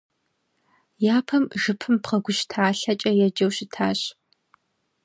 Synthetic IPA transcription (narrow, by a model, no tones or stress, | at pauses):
jaːpʰɐmʒɨpʰɨmpqɐɡʷʊʃtʰaːɬɐt͡ʃʼɐjɛd͡ʒɐwɕɪtʰaːɕ